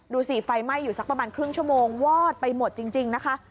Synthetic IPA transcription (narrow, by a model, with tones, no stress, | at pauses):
duː˧siː˨˩fa˧jma˥˩jːuː˨˩sa˦˥k̚pɾa˧maː˧nkʰɾɯ˥˩ŋt͡ɕʰu˥˩əmoː˧ŋwɔː˥˩t̪̚pa˧jmo˨˩t̪̚t͡ɕi˧ŋt͡ɕi˧ŋna˦˥kʰa˦˥ʔ